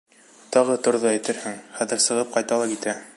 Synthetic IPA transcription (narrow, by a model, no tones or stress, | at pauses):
t̪ɑʁɤt̪ŏɾðɑæjt̪ɘɾhɘŋχæðɘɾsɤ̆ʁɤp̚qɑjt̪ɑlˠɑkit̪æ